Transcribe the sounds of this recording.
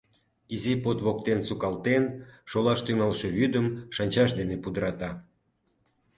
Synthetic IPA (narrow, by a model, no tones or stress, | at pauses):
izipot̪βok̚t̪ensukɑlt̪enʃolɑʃt̪yŋɑlʃeβyd̪əmʃɑnʲt͡ɕɑʃ̬d̪enepud̪əɾɑt̪ɑ